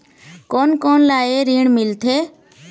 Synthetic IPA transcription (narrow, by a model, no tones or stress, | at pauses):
koːnkoːnlaːeɾiːɳ̃mɪlt̪ʰeː